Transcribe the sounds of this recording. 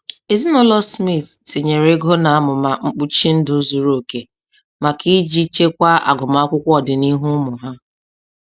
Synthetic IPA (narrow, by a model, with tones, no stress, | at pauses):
e˨zi˦nʊ˦lɔ˦smi˦˨θti˨ɲe˨ɾe˦ɡɔ˦na˨a˦mʊ˨ma˨ŋ͡m̩˦k͡pu˦t͡ʃi˦n̩˦dʊ˨˦zu˨ɾo˦o˨ke˨ | ma˨kʰi˦d͡ʒi˦t͡ʃe˦kʷa˦a̰˨ɡʊ˨ma˦kʷʊ˦kʷɔ˨dɪ˨ni˦ɦu˦mʊ˨ɦa˦